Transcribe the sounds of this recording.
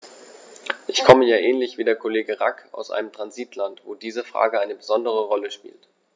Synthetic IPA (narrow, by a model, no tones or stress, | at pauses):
ʔɪçkʰɔməjaːʔɛːnlɪçv̥iːdeːɐkʰoleːɡəʁakʰa̰ʊsʔa̰ɪnəmtʁ̥anziːtʰlantv̥oːdiːzəfʁ̥a̰ːɡəʔaɪnəbəzɔndəʁ̞əʁɔləʃpḭːlt